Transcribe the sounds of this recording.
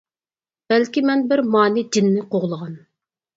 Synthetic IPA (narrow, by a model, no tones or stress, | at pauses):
b̥ɛlkʲimɛnbɪɾmɑːnɪd͡ʒɪnːɪqʰoʁlˠəʁɑn